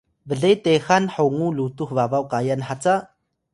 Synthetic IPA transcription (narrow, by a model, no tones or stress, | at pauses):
vəɮejt̪exanħowŋulut̪uxvavawkajanħat͡sa